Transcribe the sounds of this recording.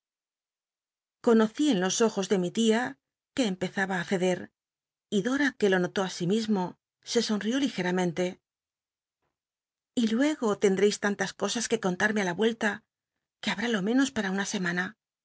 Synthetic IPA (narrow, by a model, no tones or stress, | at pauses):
ko̞no̞θie̞nlo̞so̞xo̞zðe̞mit̪ia | ke̞ːmpe̞θaβaːθe̞ðe̞ɾ | iðo̞ɾake̞lo̞no̞t̪o̞asimizmo̞ | se̞so̞nrio̞lixe̞ɾamẽ̞nt̪e̞ | ilwe̞ɣo̞t̪e̞nd̪ɾe̞jst̪ant̪asko̞saske̞ko̞nt̪aɾme̞alaβwe̞lt̪a | ke̞aβ̞ɾalo̞mẽ̞no̞spaɾaunase̞mana